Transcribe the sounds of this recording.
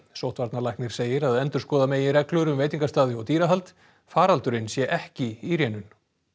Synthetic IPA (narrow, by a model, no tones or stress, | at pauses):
sowht̪vaɾt̪nalajhk̪nɪɾ̥seːjɪɾaðɛnt̪ʏɾ̥skɔːðameːjɪrɛklœɾʏmvejt̪iŋkast̪aːðɪɔwt̪iːɾaɦalt̪ | faːɾalt̪ʏɾɪnsjɛʔɛhcɪiɾjɛːnʏn